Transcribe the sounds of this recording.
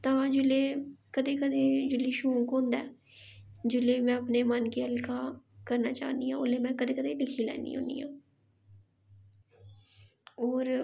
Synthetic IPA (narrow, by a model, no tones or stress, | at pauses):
t̪ãːd͡ʒʊleːkəd̪eːkəd̪eːd͡ʒʊliːʃũːkõːnd̪ɛː | d͡ʒʊleːmɛ̃ːəpneːmənkeːəlkaːkəɾnaːt͡ʃa̰ːnd̪iːãːʊleːmɛ̃ːkəd̪eːkəd̪eːlɪkʰiːlɛ̰ːnd̪ḭːɦõ̰ːnd̪ḭːãː | oːɾ